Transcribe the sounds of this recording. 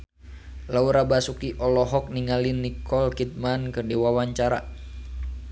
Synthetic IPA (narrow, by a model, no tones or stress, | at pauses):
lauɾabasukiʔɔlɔɦɔk̚niŋalinːikɔlkit̪̚mankɨrdiwawaɲt͡ʃaɾa̰